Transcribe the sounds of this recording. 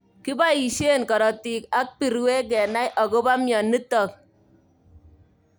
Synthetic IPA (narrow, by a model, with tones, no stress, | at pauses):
ki˦ba˦i˨ʃe˦˨nkɔ˨ɾɔ˨ti˨ka˦k̚pi˨ɾwe˦k̬ɛ˨na˦jʔɔ˨ko˦ba˦mjɔ˨nːi˦tɔ˨k̚